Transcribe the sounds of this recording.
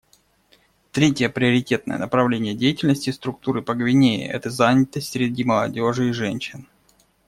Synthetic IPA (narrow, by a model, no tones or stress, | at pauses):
t̪ɾʲetʲjəpɾʲɪəɾʲɪtʲe̞t̪̚nə̰jə̰nəpɾɐvlʲenʲɪjədʲejɪtʲɪlʲnəsʲtʲɪst̪ɾʊk̚t̪uɾɨpəɡvʲɪnʲejɪ̰ʔɛ̰t̪əzanʲɪt̪əsʲtʲsʲɾʲɪdʲiməlˠɐdʲo̞ʐɨɪʐɛnʲɕɪn